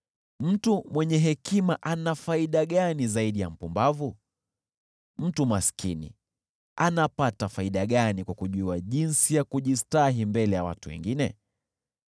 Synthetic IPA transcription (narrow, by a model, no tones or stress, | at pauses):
m̩tumwɛɲɛɦɛkimaʔanafaiɗaɠanizaiɗija̰m̩pumbavu | m̩tumaskʰinḭ | anapatafaiɗaɠanikwakuʄuaʄinsijakuʄistaɦimbɛlɛjawa̰tuwɛ̰ŋɡinɛ